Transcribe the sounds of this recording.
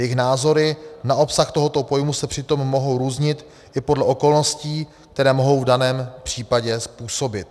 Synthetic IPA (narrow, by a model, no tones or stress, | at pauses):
jɛɪxnaːzo̞ɾɪnaʔo̞psaxt̪oɦo̞t̪o̞po̞jmusɛpr̥ɪt̪o̞mːo̞ɦowɾuːzɲɪt̪ | ʔɪpo̞dlɛʔo̞ko̞lno̞sciː | k̚t̪ɛɾɛːmo̞ɦo̞wvdanɛːmpr̝̥iːpaɟɛspuːso̞bɪt̪̚